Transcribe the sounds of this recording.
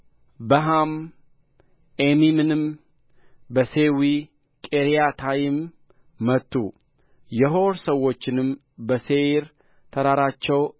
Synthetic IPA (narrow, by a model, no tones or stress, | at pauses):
bəɦam | ʔemimɨnɨm | bəsewi | kʼeɾijat̪ʰajɪmː | ət̪ʰːu | jɛɦoɾsəwːo̞t͡ʃːɪnɨm | bəseɾ | t̪ʰəɾaɾat͡ʃːɛw